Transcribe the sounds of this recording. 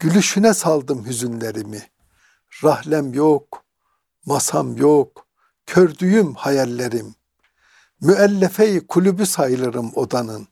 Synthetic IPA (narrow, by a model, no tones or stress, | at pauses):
ɟ̥ylyʃynɛsɑlˠd̪ɯmhyzynleɾimi | ɾɑhlæmjok | mɑsʰɑmjok | cʰøɾd̪yjymhɑjɛlʲːeɾimː | yælːɛfɛjikʰulʲubysajɯlˠɯɾɯmo̞d̪anɯn